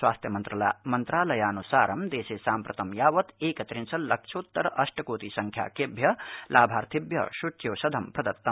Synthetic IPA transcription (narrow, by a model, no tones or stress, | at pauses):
swaːst̪ʰjɐmɐnt̪ɾɐlmɐnt̪ɾaːlɐjaːnusaːɾɐmd̪eːsesaːmpɾɐt̪ɐmjaːʋɐt̪eːkɐt̪ɾinsɐllːɐk̚t͡ʃʰoːt̪ːɐɾɐsʈɐkoːt̪isɐŋkʰja̰ːkebʱjɐlaːbʱaːɾt̪ʰibjɐ̰ʃuʈʰjoːsɐd̪ʱɐmpɾɐd̪ɐt̪ːɐm